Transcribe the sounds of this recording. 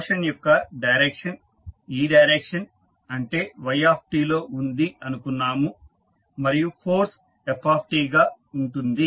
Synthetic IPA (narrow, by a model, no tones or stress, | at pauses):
ʂɐnjɔkːɐɖɐjɾekʂɐn | iːɖɐjɾekʂɐn | ɐɳʈe̞ːʋɐjaːp̚ʰʈiːlo̞ːʔund̪iɐnukunːaːmu | mɐɾijupʰoːɾs | epʰːaːpʰʈiːɡaː | uɳʈund̪i